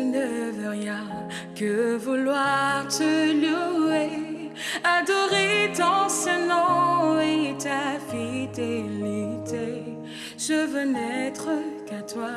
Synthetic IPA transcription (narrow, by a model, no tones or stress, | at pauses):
nəvəʁjɛ̃ | kəvulwaʁt̪əlue | ad̪ɔʁet̪ɔ̃sɛnɔ̃et̪afid̪elit̪e | ʒəvønɛt̪χəkat̪wa